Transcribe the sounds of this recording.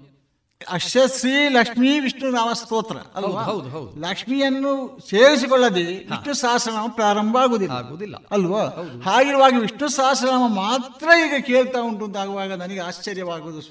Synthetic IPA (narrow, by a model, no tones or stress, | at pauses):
ɐʃjɐsɾiːlɐkʂmiʋiʂɳunaːʋɐst̪oːt̪ɾɐ̰ɐ̰lʋaːlɐkʂmijɐnːuseːɾis̬ikɔɭːɐd̪eiʂɳusaːɦɐsɐnaːmɐpɾaːɾɐmbʱɐaːɡoːd̪ilɐ̰d̪l̰ɐlːʋaːhaːɡiɾuʋaːɡɐʋiʂɳusaːɦɐsɐnaːmɐmaːt̪ɾɐiːɡɐkeːɭt̪aːuɳʈunt̪aːɡuʋaːɡɐnɐnɐɡeaːst͡ʃɐɾjɐʋaːɡoːd̪u